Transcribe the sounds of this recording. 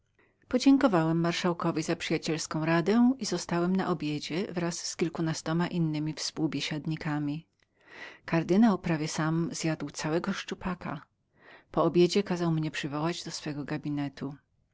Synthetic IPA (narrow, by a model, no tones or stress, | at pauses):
pɔd͡ʑɛŋkɔvawɛmːaɾʂawkɔvʲizapʂɘjat͡ɕɛlskɔ̃w̃ɾad̪ɛizɔst̪awɛmna̰ʔɔbʲjed͡ʑɛvɾasːkʲilkunast̪ɔmaʔinːɘmʲifspuwbʲjeɕad̪ɲikamʲi | kaɾd̪ɘnawpɾavʲjɛsamzjad̪wt̪sawɛɡɔʂt͡ʂupakʰa̰ | pɔɔbʲjed͡ʑɛkazawmɲɛpʂɘvɔwad͡ʑd̪ɔsfɛɡɔɡabʲinɛt̪ʰu